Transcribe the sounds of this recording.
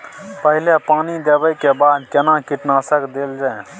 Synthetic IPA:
pəɦɪlepaːnid̪eːbəjkebaːd̪kɛnãkɪʈnaːsəkd̪eːld͡ʒaːẽ

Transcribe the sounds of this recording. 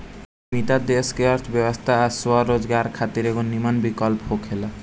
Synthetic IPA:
mit̪ad̪eskeəɾt̪ʰbjebɔst̪ʰaːswɔɾod͡ʒɡaɾkʰat̪iɾeɡonimanbikɔlpɦokʰɦela

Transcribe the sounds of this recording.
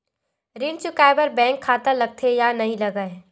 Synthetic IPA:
ɾɪnt͡ʃʊkaːɪbəɾbɛ̃ːŋkʰːaːt̪alɐɡ̚t̪ʰejanɐɦĩlɐɡəe

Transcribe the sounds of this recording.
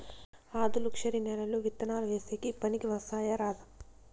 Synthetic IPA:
aːd̪ulukʂɐɾinɛlɐluʋit̪ːɐnaːlɐʋeːseːkipɐnikiʋɐsaːjɐɾaːd̪ʱɐm

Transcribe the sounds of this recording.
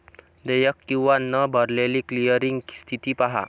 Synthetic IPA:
d̪ejək̚t̪uwanːəbəɾleliklijəɾiŋst̪ʰit̪ipaɦa̰

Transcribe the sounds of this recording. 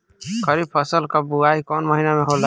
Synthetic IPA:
kʰəɾib̚pʰəsəlkəbuaikɔnməɦinameɦola

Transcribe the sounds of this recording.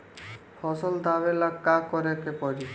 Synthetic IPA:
fʰɔsold̪ʱaβelakːakɔɾekepɔɾi

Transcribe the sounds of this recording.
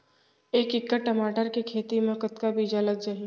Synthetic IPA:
eːkɪkːəʈːɐmaːʈəɾkikʰeːt̪imẽkət̪kabiːd͡ʒalɐɡ̚d͡ʒaɦi

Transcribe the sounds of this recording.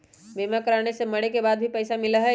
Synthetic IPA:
beːmakɐɾaːñesemɐɽekebaːd̪̚bʱipɛːsamɪlaɦɛ

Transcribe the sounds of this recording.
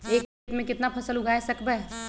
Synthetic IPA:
eːk | t̪mẽkɪt̪napʰɐsəlʊɡʱaːesɐkbɛː

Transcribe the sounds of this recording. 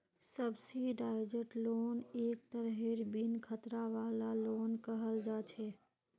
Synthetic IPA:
səbsiɖaːɪd͡ʒəʈloːneːk̚t̪əɾɦeɾbinkʰət̪ɾaʋaːlaloːnkəɦəld͡ʒaːt͡ʃʰɛː

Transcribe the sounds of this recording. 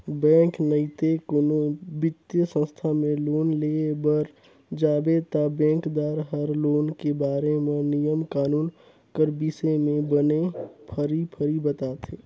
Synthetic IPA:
bɛ̃ːŋknəit̪ekonobɪt̪jəsə̃st̪ʰamẽloːnlebəɾ | d͡ʒaːbet̪abɛ̃ːkd̪aːɾɦəɾloːnkebaːɾemẽnɪjəmkaːnuːn | kəɾbisemẽbənepʰəɾipʰəɾibət̪aːt̪ʰeː

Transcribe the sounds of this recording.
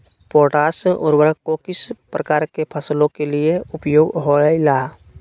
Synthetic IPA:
poːʈaːsʔɔɾwəɾkokɪspɾəkaːɾkepʰəslõkelieʊpjoːɡɦoilaː

